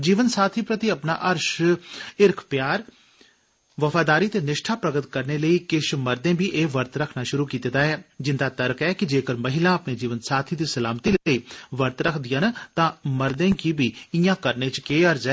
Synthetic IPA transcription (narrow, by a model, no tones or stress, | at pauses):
d͡ʒiːʋənsaːt̪ʰiːpɾət̪iəpna̰ːʔəɾʃ | ɪɾkʰpjaːɾ | ʋəfʰaːd̪aːɾiːt̪eːnɪʃʈʰaːpɾəɡət̪kəɾneːləiːkɪʃməɾd̪ẽːbʱiːʔeːʋəɾt̪ɾəkʰnaːʃʊɾuːkiːt̪ed̪aːɛːd͡ʒɪnd̪aːt̪əɾkɛːkid͡ʒeːkəɾməɦɪlãːəpneːd͡ʒiːʋənsaːt̪ʰiːd̪iːsəlaːmt̪iːləiːʋəɾt̪ɾəkʰd̪ɪjaːnt̪ãːməɾd̪ẽːkibiːɪjãːkəɾnẽːt͡ʃkeːəɾd͡ʒɛː